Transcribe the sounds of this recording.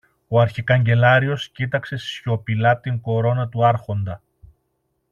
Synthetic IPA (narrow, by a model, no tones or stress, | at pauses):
o̞ɐɾçikɐɲɟe̞lɐɾio̞scit̪ɐkse̞sço̞pilɐt̪iŋko̞ɾo̞nɐt̪uɐɾxo̞nd̪ɐ